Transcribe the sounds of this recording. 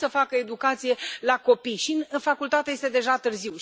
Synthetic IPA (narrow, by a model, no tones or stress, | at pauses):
səfakəe̞d̪ukat̪sije̞lako̞pijʃinfakult̪at̪eje̞st̪e̞d̪e̞ʒat̪ɨrziw